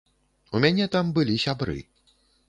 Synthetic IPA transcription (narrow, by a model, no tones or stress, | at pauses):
umʲanʲɛt̪ambɨlʲisʲabɾɨ̰